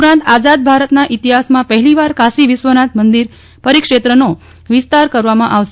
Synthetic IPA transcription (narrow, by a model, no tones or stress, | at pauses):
pɾãnt̪ad͡ʒad̪̚bʱaɾət̪naʔit̪iɦasmãpəɦɛliʋaɾkʰasiʋɪsʋənat̪ʰmənd̪iɾ | pəɾikʂet̪ɾəno | ʋɪst̪aɾkəɾʋamãʔaʋʃe